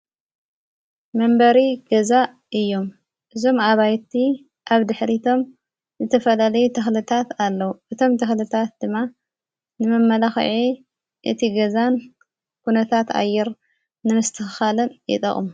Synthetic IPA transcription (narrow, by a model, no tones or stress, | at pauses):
mɐmbɐɾiɡ̥ɐza | ʔɨjːo̞m | ʔɨzo̞maβajt̪ʰi | ʔaβd̪ɨħɾit̪ʰo̞m | zɨt̪ʰɐfɐlalɐjut̪ʰɐxlɨt̪ʰat̪alːɐwuʔɨt̪ʰo̞mt̪ʰɐxlɨt̪ʰat̪̚d̪ɨmːa | nɨmɐmːɐlaxʕi | ʔɨ̰t̪ʰiɡɐzan | kunɐt̪ʰat̪a̰jːɛɾ | nɨmɨst̪ʰɨxɨxalɐnjɪ̰t̪ʼɐ̰χʼumu